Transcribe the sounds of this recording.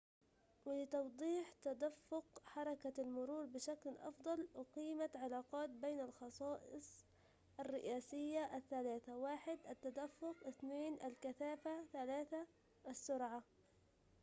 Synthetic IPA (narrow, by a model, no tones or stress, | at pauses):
wɪlɪt̪ɑwd̪ˤiːħt̪ad̪afːʊqħɑɾˤɑkaalmʊɾuːɾbɪʃaklʔɑ̰fd̪ˤɑlɪqiːmaʕalaːqɑːt̪̚beːnalxɑsˤɑːʔɪ̰sˤ | ʔarːɪʔaːsɪjːaʔaθːalaːθawaːħɪd̪ʔat̪ːad̪afːʊqʔɪθneːnʔalkaθaːfaθalaːθa | ʔasːʊɾʕa